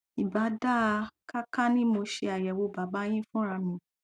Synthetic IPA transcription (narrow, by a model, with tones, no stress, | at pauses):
i˨ba˨˦da˦˧ka˦ka˦nĩ˦mo˧ʃe˧a˨jɛ˨wo˧ba˨˦ba˨˦j̃ĩ˦fũ˦ɾa˧mĩ˨